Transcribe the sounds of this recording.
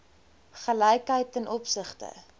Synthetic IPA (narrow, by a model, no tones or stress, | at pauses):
χələjkɦəjtənʔɔpsəχtə̰